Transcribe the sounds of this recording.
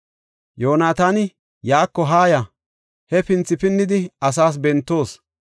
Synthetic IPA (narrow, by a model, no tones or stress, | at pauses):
jo̞ːnaːt̪aːnɪ | jaːkːɔɦaːjɐ | hɛpɪnt͡sːɪpɪnːɪd̪ɪɐs̬aːs̬bɛnt̪ːo̞ːs